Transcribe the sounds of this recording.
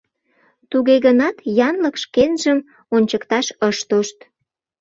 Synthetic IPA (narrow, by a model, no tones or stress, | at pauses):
t̪uɣeɣənɑt̪jɑnləkʃkenʒəm | onʲt͡ɕəkt̪ɑʃəʃt̪oʃt̪